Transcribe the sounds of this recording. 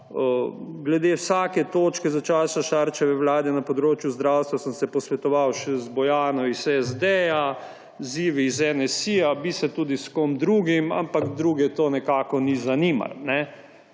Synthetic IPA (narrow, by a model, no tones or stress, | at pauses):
əɡlɛd̪ewsaːkɛt̪oːt͡ʃkɛzat͡ʃaːsaʃaːɾt͡ʃɛʋɛwlaːd̪ɛnapɔd̪ɾoːt͡ʃjuzd̪ɾawst̪ʋasəmsɛpɔsʋɛt̪ɔʋawʃɛzbɔjaːnɔisɛzd̪ɛja | ziːʋiːzɛnɛsijabisɛt̪uːd̪iskomd̪ɾuːɡima̰mpakd̪ɾuːɡɛt̪oːnɛkaːkɔnizaniːma̰lnɛ